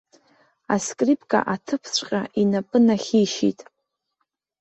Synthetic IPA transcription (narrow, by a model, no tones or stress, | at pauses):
a̰skʼripʰʼkʼa̰ʔatʰɨpʰt͡ɕʷʼqʲʼaʔinapʼɨnaχʲiʃḭtʼ